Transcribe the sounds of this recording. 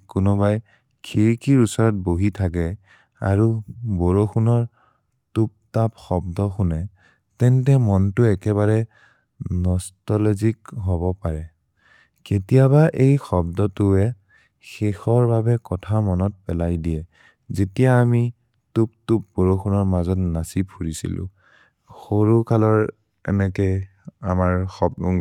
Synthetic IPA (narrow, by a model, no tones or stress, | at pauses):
kʊnɔbaj | kʰiɹkiɹusɔɹɔt̚boɦitʰak̬ɛ | a̰ɹuboɹoxunɔɹ | tup̚tapxɔbdɔxʊnɛ | tɛntɛmɔntʊɛkɛβaɹɛ | nɔstɔlɔzikɦɔbɔpaɹɛ | ketijaβaʔejxɔb̚dɔtʊɛ | xexɔɹbabɛkɔtʰamɔnɔt̚pɛlajdijɛ | zetijaːmi | tup̚tup̚boɹoxunɔɹmazɔtnasipʰuɹisḭlʊ̰̃ | xoɹukalɔɹ | ɛ̰nɛkɛamaɹxɔb̚uŋ